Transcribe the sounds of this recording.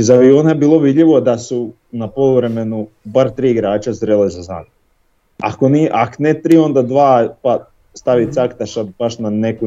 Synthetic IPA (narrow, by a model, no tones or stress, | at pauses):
zaʋioːnaebiːlˠo̞ʋid̪ʎʲiʋo̞d̪asu | napoʋɾe̞menubaɾt̪ɾiːiɡɾaːt͡ʃazɾelezaza̰ːm | a̰koniʔaknet̪ɾiːo̞nd̪ad̪ʋaːpa | st̪aʋit̪sakt̪aʃad̪̚b̥aʃnaneku